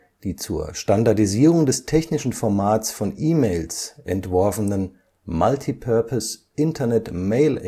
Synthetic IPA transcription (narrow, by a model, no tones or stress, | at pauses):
d̥iːt͡suːɐʃtandaɐdiziːʁʊŋdɛstʰɛçnɪʃn̩fɔɐmaːt͡sfɔnʔiːmeɪlsʔɛ̰ntv̥ɔɐfənən | maltʰipʰœɐpʰəsʔɪntʰɐnɛtmeɪl